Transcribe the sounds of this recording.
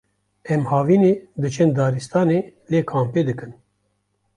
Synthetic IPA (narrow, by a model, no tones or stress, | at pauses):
ɛmhɑːviːneːd̪ɨt͡ʃʰɛnd̪ɑːɾist̪ɑːneːleːkʰaːmpeːd̪ɨkɨn